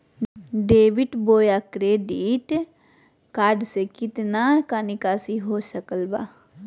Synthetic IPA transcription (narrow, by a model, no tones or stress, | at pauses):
ɖeːʋɪʈboːjakɾeːɖiʈ | kaːɾɖsekɪt̪nakanɪkaːsiɦoːsəkəlba̰ː